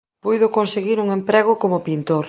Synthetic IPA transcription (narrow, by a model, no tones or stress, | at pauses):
pujðʊkonseɣiɾuŋempɾɛɣ̞ʊkomʊpint̪oɾ